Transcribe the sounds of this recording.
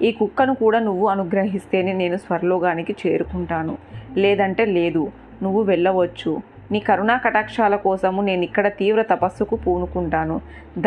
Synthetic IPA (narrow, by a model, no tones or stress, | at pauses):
iːkukːɐnukuːɽaːnuʋːuɐnuɡɾɐɦist̪e̞ːnine̞ːnusʋɐɾɐlɔːɡaːnikit͡ʃe̞ːɾukuɳʈaːnulɛːd̪ɐɳʈe̞ːle̞ːd̪u | nuʋːuʋɛɭːɐʋɐt͡ʃːu | niːkɐɾunaːkɐʈaːkʂaːlɐkɔːsɐmune̞ːnuikːɐɽɐt̪iːʋɾɐt̪ɐpɐsːukupuːnukuɳʈaːnu | d̪